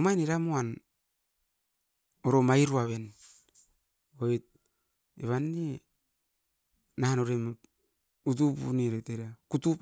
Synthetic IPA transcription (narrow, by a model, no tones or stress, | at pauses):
majneɾamoan | oɾomajɾuaβen | oit̚ | eβanːe | nanoɾem | ut̬upṵniɾoteɾiakutup